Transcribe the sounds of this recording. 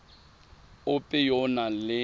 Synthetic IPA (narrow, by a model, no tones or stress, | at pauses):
ʊpʼɪjɔnalɪ